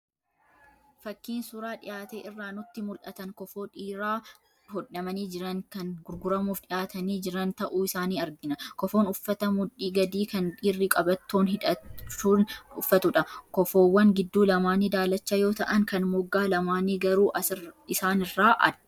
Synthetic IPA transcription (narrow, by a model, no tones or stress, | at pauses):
fɐkːiːnsʊɾaːᶑɪ̰jaːt̪eːɪrːaːnʊt̪ːɪmʊlʔɐt̪ɐŋkɔfoːᶑiːɾaː | hɔᶑːɐmɐniːd͡ʒɪɾɐŋkɐnɡʊɾɡʊɾɐmuːfᶑɪjaːt̪ɐniːd͡ʒɪɾɐnt̪ɐʔuːɪsaːniːɐɾɡɪnɐkɔfoːnʊfːɐt̪ɐmʊᶑiːɡɐd̪iːkɐnᶑiːrːɪkʼɐbɐt̪ːoːnɦɪᶑɐt͡ʃːuːnʊfːɐt̪ʊᶑɐkɔfoːwːɐŋɡɪd̪ːuːlɐmaːniːd̪aːlɐt͡ʃːɐjo̞ːt̪ɐʔɐŋkɐnmʊɡːaːlɐmaːniːɡɐɾuːʔɐsɪsaːnɪrːaːʔɐ̰ᶑ